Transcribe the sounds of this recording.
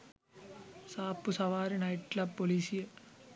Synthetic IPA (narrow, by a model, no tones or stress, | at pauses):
saːpːɯsɐʋaːɾinɐɪʈlapːoliːsɪjɐ